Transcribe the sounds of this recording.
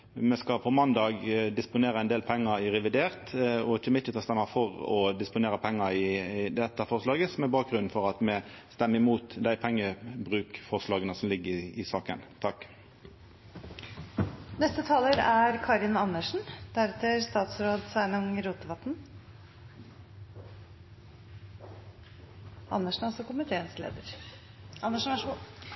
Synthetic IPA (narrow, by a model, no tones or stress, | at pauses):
mɛskɑpʰɔmɑnd̪ɑːɡd̪ɪspʊneːɾəɛnd̪eːlpʰɛŋːəɾɪʁɛʋɪd̪eːʁt̪ɔɪt͡ʃːəmɪt̪ʰːət̪ɑst̪ɛmːɑfɔʁɔd̪ɪspʊneːɾʁəpʰɛŋːəɪd̪ɛt̪ːəfɔʁʂlɑːɡəsɔmɛbɑːk̚ɡʁʉnn̩fɔʁɑt̪mɛ | st̪ɛmːəɪmuːt̪d̪æɪpʰɛŋːəbʁʉːkfɔʁʂlɑːɡənəsɔmlɪɡːəɪɪsɑːkə̰nt̪ʰɑkː | nɛst̪ət̪ʰɑːləɾæɾkʰɑɾɪnɑnːəʂɳ̩d̪æɾɛt̪əɾst̪ɑːt̪sɾoːd̪sæːɳʊŋɾuːt̪əʋɑt̪n | ɑ̰nːəʂɳ̩ɔsɔkʊmɪt̪ʰeːənslḛːd̪əɾ | ɑnːəʂn̩ʂ